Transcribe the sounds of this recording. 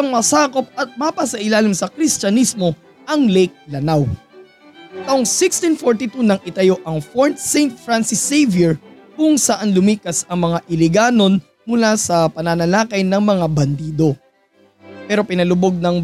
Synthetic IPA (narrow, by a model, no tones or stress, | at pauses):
ɐŋmɐsaːko̞p̚ɐt̪̚mapɐsɐʔɪlaːlɪmsɐkɾist͡ʃɐnismo̞ | ʔɐŋlɛjk̚lɐnaw | t̪ɐʔoŋsɪkst̪infoɹt̪it̪unɐŋʔɪt̪ɐjo̞ʔɐŋfoɹt̪̚sɛjnt̪̚fɾansɪsɛjvɛɹkʊŋsɐʔanlʊmiːkɐsɐŋmɐŋaʔɪlɪɡaːno̞n | mʊlasɐpɐnɐnɐlaːkɐjnɐŋmɐŋabɐnd̪iːd̪o̞ | pɛːɾo̞pɪnɐlʊbo̞ɡ̚nɐŋ